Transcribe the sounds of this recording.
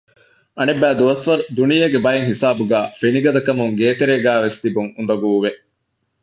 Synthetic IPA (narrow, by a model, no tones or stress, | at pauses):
ʔɐnebːæːd̪uʋɐsʋɐɾud̪unijɐɡebɐjeŋhisaːbuɡæːfeniɡɐd̪ɐkɐmuŋɡeːt̪eɾeːɡæːʋest̪ibuŋund̪ɐɡuːʋe